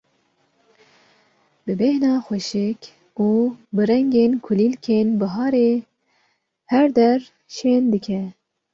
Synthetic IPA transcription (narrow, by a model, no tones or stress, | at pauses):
bɨbɛhnɑːxʷɛʃɪk | uːbɨɾɛŋɡeːnkʰʊliːlkʰeːnbɨɦɑːɾeː | hɛɾd̪ɛr | ʃeːnd̪ɨkʰɛ